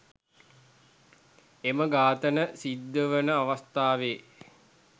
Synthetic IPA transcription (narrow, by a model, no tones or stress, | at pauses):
eməɡaːt̪ənəsid̪ːəʋənəaʋast̪aːʋeː